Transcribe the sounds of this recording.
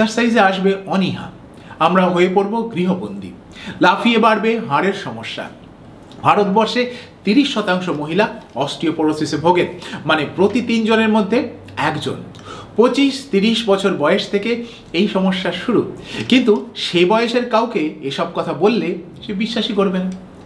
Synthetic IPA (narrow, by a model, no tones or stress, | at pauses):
saɾsajzeaʃbeɔniɦa̰ | amɾaɦoepoɾboɡɾiɦobond̪ʱḭ | lafʰiebaɾbeɦaɾeɾʃɔmoʃːa̰ | bʱaɾot̪bɔɾʃet̪iɾiʃːɔt̪aŋʃomoɦilaɔsʈɾiopoɾosisebʱoɡeɾmanepɾot̪it̪ind͡ʑoneɾmod̪ʱːe | ɛkd͡ʑo̰n | pɾot͡ɕiʃt̪iɾiʃbɔt͡ɕʰoɾbɔeeʃt̪ʰeke | ejʃɔmoʃːaʃuɾukint̪uʃebɔeeʃeɾkawkeeʃɔb̚kɔt̪ʰabolːe | ʃebiʃːaʃikoɾbena